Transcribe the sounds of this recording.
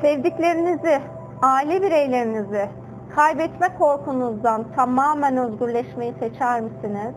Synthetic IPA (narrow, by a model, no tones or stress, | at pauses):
sɛvd̪iclʲe̞ɾinizɪ | aːilʲɛbiɾejlʲe̞ɾinizɪ | kʰajbɛt̪mɛkʰo̞ɾkʰunuzd̪ant̪ʰamaːmænøzɟyɾlʲɛʃmejiset͡ʃʰæɾmɯsiniz̥